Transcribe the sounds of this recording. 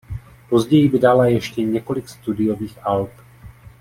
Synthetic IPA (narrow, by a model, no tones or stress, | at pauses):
po̞zɟɛjɪbɪdalajɛʃcɛɲɛko̞lɪkst̪udɪjo̞viːxalp